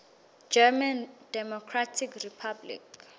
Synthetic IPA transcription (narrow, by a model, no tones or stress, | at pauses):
d͡ʒɛmandɛmɔkʰratʰikripʰablḭk